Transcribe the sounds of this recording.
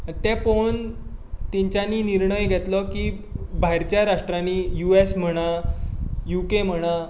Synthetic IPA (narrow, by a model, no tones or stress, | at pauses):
t̪ɛpont̪iɲt͡ɕaniːniɾɳəjɡʱɛt̪lɔki | bʱajɾt͡ɕjaɾaʂʈɾanijuesm̤əɽ̃a | jukem̤əɽ̃a